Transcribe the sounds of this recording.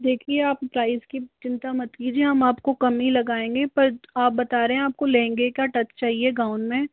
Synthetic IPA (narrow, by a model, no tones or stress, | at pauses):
d̪eːkʰieaːppɾaːɪzkit͡ʃɪ̃nt̪amɐt̪kiːd͡ʒieɦɐmaːpkokɐmilɐɡaːẽːŋɡepɐɾaːp̚bɐt̪aːɾeɦẽaːp̚kolẽːŋɡekjaʈɐt͡ʃt͡ʃaːɦieɡãːʊnmẽ